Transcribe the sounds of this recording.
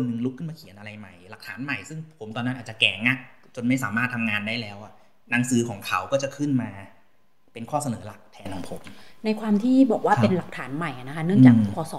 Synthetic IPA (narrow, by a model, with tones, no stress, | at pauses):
o˧nːɯ˧ŋlu˦˥kʰːɯ˥˩maː˧kʰi˨˩˦nʔa˧ɾa˧jma˨˩jla˨˩k̚t̪ʰaː˩˦nma˨˩jsɯ˥˩ŋpʰo˩˦mt̪ɔː˧nː˦˥ʔaː˨˩t̚t͡ɕa˨˩kɛː˨˩ŋŋa˥˩k̚ | t͡ɕo˧nma˥˩jsaː˩˦maː˥˩t̪ʰːa˧mŋaː˧ndaː˥˩jlɛː˦˥wʔa˨˩ | na˨˦˥ŋsɯː˨˦kʰɔː˩˦ŋkʰa˨˦wkɔː˥˩t͡ɕa˨˩kʰɯ˥˩nmaː˧ | pe˧nkʰɔː˥˩sa˧nɤː˩˦la˨˩k̚t̪ʰɛː˧nɔː˨˧˦ŋpʰo˨˦mna˧jkʰwaː˧mt̪ʰiː˥˩bɔː˨˩k̚waː˥˩pe˧nla˨˩k̚t̪ʰaː˩˦nma˨˩jʔa˨˩na˦˥kʰa˦˥nɯ˥˩˨ŋt͡ɕaː˨˧kːkʰɔː˧sɔː˨˩˦